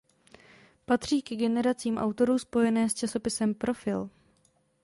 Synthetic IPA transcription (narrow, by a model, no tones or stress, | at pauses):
pat̪r̝̥iːkɛɡɛnɛɾat͡siːmʔa̰wt̪o̞ɾuːspo̞jɛnɛːst͡ʃaso̞pɪsɛmpɾo̞fɪl